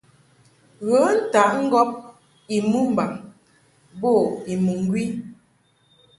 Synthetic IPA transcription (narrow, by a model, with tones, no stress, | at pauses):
ɣə˨˦n̩˦ta˨˦ʔŋ̩˦ɡɔ˦p̚ | i˨mu˦m̩˨ba˨ŋ | bo˦˨i˨mu˨ŋ˦ɡwi˦